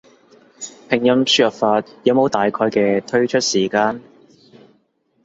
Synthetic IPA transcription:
pʰɪ˨˩ŋjɐ˧msyː˧ɐ˨˩p̚faː˧t̚jɐ˨˥mo˨˧wt̪aː˨jkʰɔː˧jkɛː˧t̪ʰɵ˥ɥt͡ʃʰɵ˥t̚siː˨˩kaː˧n

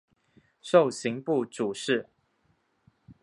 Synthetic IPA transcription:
ʂo˥˨ʊɕi˨˦ŋpu˥˨ʈ͡ʂu˨˩ʂɻ̩˥˨

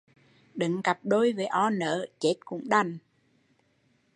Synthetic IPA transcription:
ɗɨ˨˦ŋka˨˩p̚ɗo˧jve˨˩ʔɔ˧nəː˨˦t͡ɕe˦˥t̚kʊ̰˧˥ŋ͡mɗa˨˩n

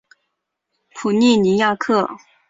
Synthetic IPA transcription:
pʰu˨˩ni˥˩ni˧˥ja˥˧kʰɤ˥˩

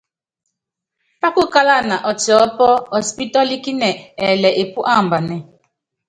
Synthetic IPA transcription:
pa˦kʊ˦ka˦la˦˨na˨ʔɔ˨t͡ʃɪ˨ɔ˦pɔ˦ɔ˨spi˦tɔ˦li˦ki˦nɛ˨ɛ˨lɛ˨ʔe˨pu˦ʔa˦˨m̩˨ba˨nɛ˨

